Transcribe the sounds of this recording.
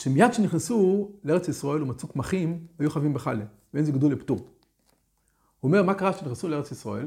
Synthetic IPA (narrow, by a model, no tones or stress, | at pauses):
ʃemijad̪ʃeniχnesuleeet͡sjisʁoelumat͡sukmaχimhajuχavimbeχa̰le | veenzeɡd̪ulept̪u | huomeʁmakaʁaʃeniχnesuleeʁet͡sjisʁoel